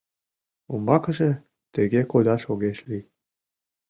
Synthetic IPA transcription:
umbɑkɤ̆ʒĕ | t̪ĕɣekod̪ɑʃoɣeʃlʲi

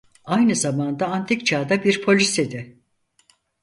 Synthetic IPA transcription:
ajnɯzamand̪aːnt̪ʰikt͡ʃʰaːd̪abiɾpʰo̞lʲised̪ɪ

